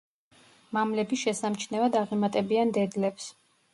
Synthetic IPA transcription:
mamlɛbiʃɛsamt͡ʃʰnɛvad̪aʁimat̪ʼɛbiand̪ɛd̪lɛps

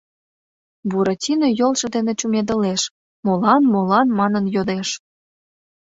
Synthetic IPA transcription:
buɾɑtʲinojolʃɤ̆d̪enet͡ɕumed̪ə̆leʃ | molɑnmolɑnmɑnənjod̪eʃ

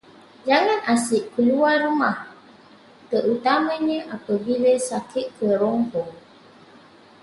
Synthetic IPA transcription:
d͡ʒaŋanasiʔkəluaɾumah | təʔut̪aməɲəʔapəvilesakʰiʔkəɾɔŋpɔŋ

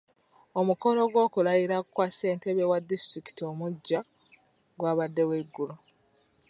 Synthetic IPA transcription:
omuko̞lo̞ɡwo̞ːkulajiɾakkwase̞ːnte̞βewadːistɾiki̥tio̞muɟːa | ɡwaːβadːe̞weɡːulo

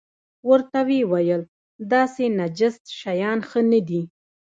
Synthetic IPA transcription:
wəɾt̪awewajəl | d̪ɑsenad͡ʒɪst̪ʃajɑnxənəd̪i

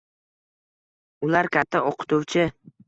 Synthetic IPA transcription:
ʊlaɾkʲʰat̪ʰːaɒqʰɨ̥t̪ʰʊwt͡ʃʰɪ

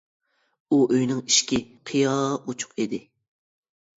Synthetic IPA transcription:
uʔøjnɪŋiʃkʲiqʰijɑːot͡ʃʰʊ̥qed̪ɪ

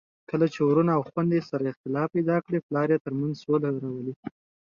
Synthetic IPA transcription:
kəlat͡ʃewɾunaːwxwand̪esaɾaɪxt̪ɪlɑfpajd̪ɑkɽeplɑɾjɑt̪əɾmanzsolaɾawəli

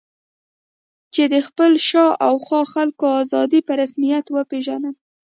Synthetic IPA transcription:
t͡ʃed̪əxpəlʃɑʔawxɑxalkoɑzɑd̪ipəɾasmijat̪wəpeʒanəm

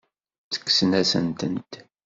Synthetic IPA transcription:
t͡sə̥kːsənæsə̰nt̪ənt̪

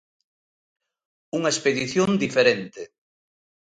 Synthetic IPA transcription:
uŋɐespeðiθjond̪ifeɾent̪e

